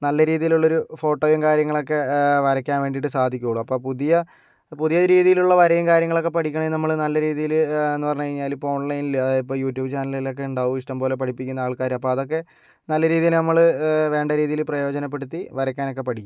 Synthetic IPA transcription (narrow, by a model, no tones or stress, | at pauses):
nɐlːɐɾiːðijiluɭːo̞ɾufo̞ːʈːoːjɐmkaːɾjɐŋːɐɭo̞kːe̞ʋɐɾɐkʲːaːnʋe̞ːɳɖiʈ̬ːɨsaːd̪ʱikʲːuɣɐɭuɐpːo̞ːpuðijɐ | puðijɐɾiːðijiluɭːɐʋɐɾɐjɐŋkaːɾjɐŋːɐɭo̞kːe̞pɐʈʰikʲːɐɳɐmenɐmːɐɭnɐlːɐɾiːðijilenːɨpɐrɐɲːukɐɻiɲːaːlipoooːɳɭɐjinilipːoːjuːʈjuːbɨt͡ɕaːnɐlilo̞k̬ːe̞uɳɖaːʋuiʂʈɐmpo̞ːle̞pɐʈʰipːikʲːunːɐaːɭkaːɾɐmɐpːoːɐðo̞k̬ːe̞ | nɐlːɐɾiːðijilnɐmːɐɭɨʋe̞ːɳɖɐɾiːðijilprɐjo̞ːd͡ʑɐnɐp̬ːe̞ɽut̪ːiʋɐɾɐkʲːaːno̞kːe̞pɐʈʰikʲːum